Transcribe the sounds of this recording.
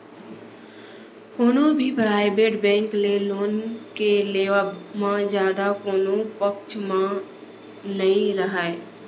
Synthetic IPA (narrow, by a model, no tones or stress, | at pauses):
hoːnõbʱipɾaːɪbeːʈbɛ̃ːŋkleloːnkeleːamãzjaːd̪akoːnõpəkt͡ʃmã | nəɦĩɾəɦaːeː